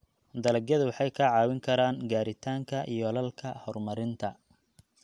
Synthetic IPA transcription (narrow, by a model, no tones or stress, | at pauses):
d̪ɐlɐɡjɐðʊwɑħɑjkʰɐʕɑːwɪŋkʰɐɾaːŋɡaːɾɪt̪ʰaːŋkʰɐʔḭjɔlɐlkʰɐhɔrmɐɾɪnt̪ʰɐ